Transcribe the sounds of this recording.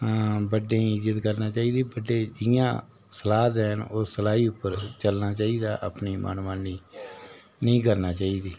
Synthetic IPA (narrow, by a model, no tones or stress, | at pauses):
bəɖẽːɪd͡ʒət̪kəɾnãːt͡ʃaːiːd̪iːbəɖːeːd͡ʒɪjã̰ː | səlaːt̪ɛːnoːsəlaːiːʊpːəɾt͡ʃəlnaːt͡ʃaːiːd̪a̰ːʔə̰pniːmʔə̰nʋaːniː | nəĩːkəɾnaːt͡ʃaːiːd̪iː